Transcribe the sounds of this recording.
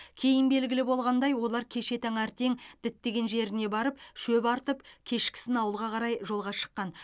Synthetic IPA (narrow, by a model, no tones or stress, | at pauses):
kʲʰejɪnbe̞lɡʲɪlɪbo̞lˠʁɑnd̪ɑjwo̞lˠɑɾkʲʰe̞ʃe̞t̪ʰɑŋæɾt̪e̞ŋd̪̥ɪt̪ːe̞ɡʲe̞nʒe̞ɾɪne̞bɑɾəpʃɵpɑɾt̪əpkʲʰe̞ʃkʲɪ̥sɪnɑwəlˠʁɑqʰɑɾɑjʒo̞lˠʁɑʃə̥qːɑn